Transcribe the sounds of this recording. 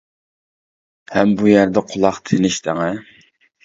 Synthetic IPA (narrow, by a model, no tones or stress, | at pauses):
hɛmbujæɾd̪ɛqʰʊlˠɑχt̪ʰɪnɪʃt̪ʰɪŋɛ